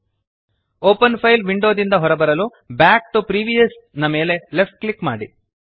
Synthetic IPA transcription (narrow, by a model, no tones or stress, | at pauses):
oːpɐnpʰɐjlʋiɳɖo̞ːd̪ind̪ɐɦɔɾɐbɐɾɐlu | baːk̚ʈupɾiːʋijɐs | nɐme̞ːle̞lepʈ̚klikma̰ːɽi